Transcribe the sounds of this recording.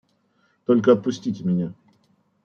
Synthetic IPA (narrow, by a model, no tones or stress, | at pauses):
t̪olʲkəɐt̪̚pʊsʲtʲitʲɪmʲɪnʲa